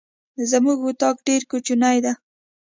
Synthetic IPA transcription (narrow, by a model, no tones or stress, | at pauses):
zəmuɡut̪ɑkɖeɾkut͡ʃunajd̪a